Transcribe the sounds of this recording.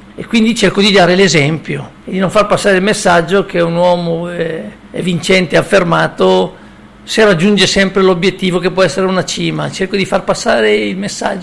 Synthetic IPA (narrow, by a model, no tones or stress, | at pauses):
ekːwind̪it͡ʃerkod̪id̪aːɾelezɛmpjo | ed̪inõɱfarpasːaːɾeilmesːad͡ʒːokʰeunwɔːmoɛ | ɛ̰vint͡ʃɛnt̪eafːermaːt̪o | serad͡ʒːund͡ʒesɛmpɾelobjet̪ːiːvokepːwɔɛsːeɾeunat͡ʃiːmat͡ʃerkod̪ifarpasːaːɾeilmesːa̰d͡ʒː